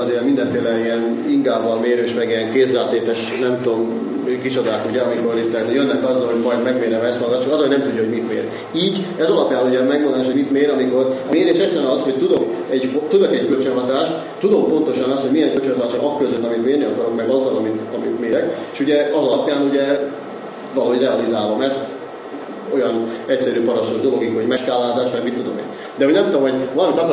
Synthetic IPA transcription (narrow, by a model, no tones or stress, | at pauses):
zemind̪ɛɱfeːlɛiɛn | iŋkaːbːɒlmeːɾøːʃmɛɡijɛŋkeːsraːt̪ːeːt̪ɛʃ | nɛmt̪om | kit͡ʃo̞d̪aːkuɟɛɒmiko̞ɾit̪ːɛnjønːɛkɒzːɒlhɦo̞ɟmɒjd̪mɛɡmeːɾɛmɛst̪ɒlɡɒʃːukɒzɒloɟnɛmt̪uɟːuhoɟmit̪mḛːɾ | iːɟ | ɛzɒlɒpjaːnuɟɛmɛɡmond̪aːʃhomit̪meːɾɒmiko̞rmeːɾeːʃɛsɛnɒzho̞c̚t̪ud̪o̞k | ɛɟfot̪ud̪okɛckølt͡ʃønɦɒt̪aːʃt̪ | t̪ud̪o̞mpo̞nt̪o̞ʃɒnɒst̪homijɛŋkølt͡ʃønɦɒt̪aːʃnʔɒkːøzøt̪ːɒmit̪meːrniɒkɒɾo̞kmɛɡɒzːɒlɒmit̪ɒmit̪meːɾɛkeːʃuɟɛɒzɒlɒpjaːnuɟɛ | vɒlɒɦo̞ɟrɛɒlizaːlomɛst̪ | o̞jɒnɛcʲsɛɾyːpɒɾɒst̪oʒd̪o̞lo̞ɡikhoɟmɛʃkaːlːaːzaːʃmɛɡmit̪ːod̪o̞̰mḛːr | d̪ɛɦo̞ɟnɛmt̪omɦoɟvɒlɒmit̪ɒk